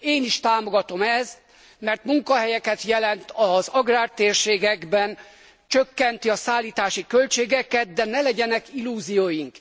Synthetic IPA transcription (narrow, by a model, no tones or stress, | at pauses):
eːniʃt̪aːmo̞ɡɒt̪o̞mɛz | mɛrt̪muŋkɒɦɛjɛkɛt̪jɛlɛnt̪ɒzɒɡraːrt̪eːrʃeːɡɛɡbɛn | t͡ʃøkːɛnt̪iɒsaːlːiːt̪aːʃikø̞lt͡ʃeːɡɛkɛt̪̚d̪ɛnɛlɛɟɛnɛkilːuːzijoːjiŋk